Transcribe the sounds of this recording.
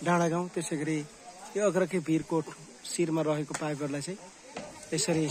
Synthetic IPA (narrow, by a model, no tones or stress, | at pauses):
ɖãɽaɡaw̃t̪eseɡʌɾi | joʌɡɾʌkʰebʱiɾkoʈʰ | siɾmaɾʌɦekopajbʱʌɾlajt͡saj̃ | t̪esʌɾi